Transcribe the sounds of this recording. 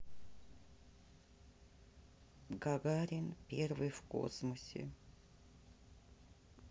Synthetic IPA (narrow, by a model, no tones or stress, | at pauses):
ɡaɡaɾʲɪnpʲervɨjfko̰smʊsʲɪ̰